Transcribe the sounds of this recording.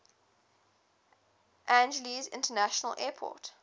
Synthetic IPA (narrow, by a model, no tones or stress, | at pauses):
ʔæ̃nd͡ʒəlizɪ̰̃ntʰənæʃənə̰lʔɛːpʰɔ̰ːˑt